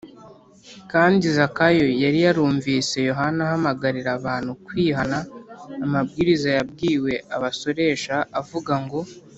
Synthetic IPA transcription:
kaːndizakajo̞jaɾijaɾuːɱviːse̞jo̞ɦanahamaɡaɾiɾaβaːn̥hukwiːɦanaːmabɡiːɾizajab̚ɡiːwe̞aβaso̞ɾe̞ʃaavuɡaŋɡo̞

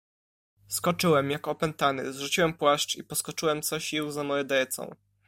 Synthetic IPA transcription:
skɔt͡ʂɘwɛmjakɔpɛnt̪anɘ̰zʐut͡ɕiwɛmpwaʂt͡ʂipɔskɔt͡ʂɘwɛmt̪sɔɕiwzamɔjɛd̪ɛɛt̪sɔ̰̃w̃

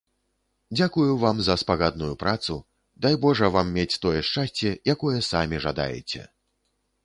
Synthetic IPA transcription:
d͡zʲakujuvamzɐspaɣad̪̚nujupɾat̪su | d̪ajbɔʐɐvamːʲet͡sʲt̪ɔjɛʂt͡ʂasʲt͡sʲɛjakɔjɛsamʲiʐad̪a̰jɛ̰t͡sʲɛ̰

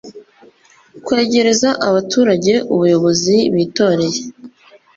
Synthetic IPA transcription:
kwe̞ːɟe̞ɾe̞zaʔaβatʰuːɾaɟe̞ʔuβujo̞βo̞ziβiːto̞ːɾe̞je

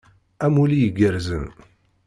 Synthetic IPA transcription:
æmulijəɡəɾzə̰n

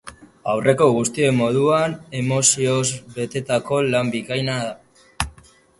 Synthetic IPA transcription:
awrʔe̞ko̞ɣ̞ust̪ie̞mo̞ðuane̞mo̞sio̞zbe̞t̪e̞t̪ako̞lambikajnaða

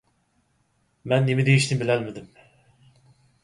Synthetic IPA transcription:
mɛnːemid̪ejiʃnɪbilɛlmɪd̪ɪm

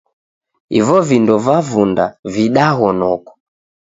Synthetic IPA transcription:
ḭvɔvindɔvavunda̰viɗaɣɔnɔkɔ̥

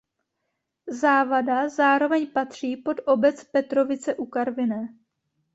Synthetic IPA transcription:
zaːvadazaːɾo̞vɛɲpat̪r̝̥iːpo̞dʔo̞bɛt͡spɛt̪ɾo̞vɪt͡sɛʔukaɾvɪnɛː

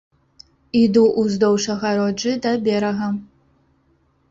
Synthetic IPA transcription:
id̪uʔuzd̪ɔwʂɐɣɐɾɔd͡ʒɨd̪ɐbʲɛɾɐɣɐm

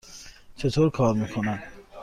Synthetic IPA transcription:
t͡ʃʰet̪ʰoɾkʰɔɾmikʰona

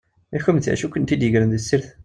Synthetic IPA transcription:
æçæmt̪æ̰ʃukənt̪id̪jəʝɾənðəsːiɾθ

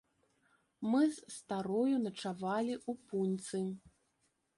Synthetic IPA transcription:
mɨzst̪aɾɔjunɐt͡ʂavalʲiʔupunʲt̪sɨ

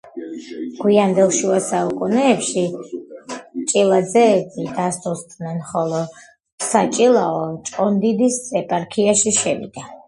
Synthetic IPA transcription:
ɡ̥wiand̪ɛlˠʃuasaukʼunɛːpʃi | t͡ʃʼilˠad̪zɛːbid̪ast̪ust̪ʼnɛnχɔlˠɔ | sat͡ʃʼilˠaɔt͡ʃʼqʼɔnd̪id̪isʼɛpʼaɾkʰiaʃiʃɛvḭd̪̥a

